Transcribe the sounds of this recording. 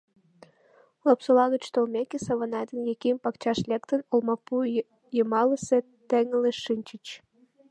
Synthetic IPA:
lopsolɑɣət͡ɕt̪olmʲekesɑβɑnɑjd̪ənjekempɑkt͡ɕɑʃlʲekt̪ənolmɑpu | jəmɑləse | t̪eŋəleʃɨnʲt͡ɕət͡ɕ

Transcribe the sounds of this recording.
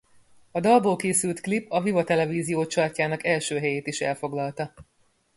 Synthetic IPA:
ɒd̪ɒlboːlkeːsylt̪klipɒvivɒt̪ɛlɛviːzijoːt͡ʃɒrcaːnɒkɛlʃøːɦɛjeːt̪iʃɛ̰lfo̞ɡlɒlt̪ɒ

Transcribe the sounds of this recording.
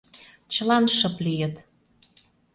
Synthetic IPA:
t͡ɕə̆lɑnʃɤ̆plijət̪

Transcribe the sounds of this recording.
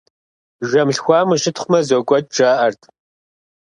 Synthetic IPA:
ʒɐmɬxʷɑːmɨʃɪtʰχʷʊmɐzokʷʼɔd̚ʼʈ͡ʂaːʔɐrtʰʼ

